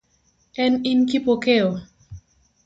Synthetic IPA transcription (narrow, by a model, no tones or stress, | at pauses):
ɛninkipokeo